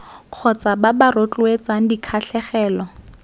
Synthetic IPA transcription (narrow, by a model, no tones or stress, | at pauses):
q͡χʰɔt͡sʼababarot͡ɬʼwet͡sʼaŋ̩dikʰaɬɛχɛːlɔ